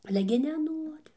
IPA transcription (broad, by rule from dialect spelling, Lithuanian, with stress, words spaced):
ˈɑːlʲɛ ɡʲɪ nʲɛˈnuɔrʲɪ